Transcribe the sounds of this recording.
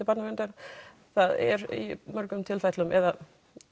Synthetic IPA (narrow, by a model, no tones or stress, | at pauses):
ɪpat̪navɛnt̪aɾ | θaðɛ̰ɾḭmœɾkʏmt̪ʰɪlfajt̪lʏmʔɛða